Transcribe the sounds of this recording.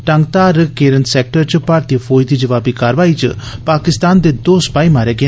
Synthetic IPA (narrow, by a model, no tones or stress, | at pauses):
ʈɐ̃ŋɡt̪aːɾkeːɾənt̪seːk̚ʈəɾt͡ʃpaːɾt̪ifʰoːid̪iːd͡ʒəʋaːbikaːɾʋaːit͡ʃə̰paːkɪst̪aːnd̪ed̪oːsə̥paːimaːɾeːɡe